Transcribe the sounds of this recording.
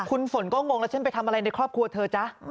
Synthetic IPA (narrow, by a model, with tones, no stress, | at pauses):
kʰu˧nfo˩˦nkɔː˥˩ŋo˧ŋlɛ˦˥wt͡ɕʰe˥˩npa˧jt̪ʰa˧mʔa˧ɾa˧jna˧jkʰɾɔː˥˩p̚kʰɾu˧ɐ˧t̪ʰɤː˧t͡ɕa˦˥ʔ